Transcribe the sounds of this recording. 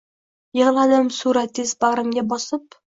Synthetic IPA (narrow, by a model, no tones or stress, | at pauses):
jɤ̆ʁlˠad̪ɪmsuɾat̪ːɪzbaʁɾamɡʲabɒsɨp